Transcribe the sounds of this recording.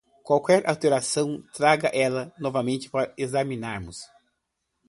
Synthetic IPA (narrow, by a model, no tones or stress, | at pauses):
kwawkɛɾa̰wt̪eɾasɐ̃w̃t̪ɾaɡɐʔɛlɐnɔvɐmẽnt͡ʃɪ̥paɾɐezamĩnaɾmʊs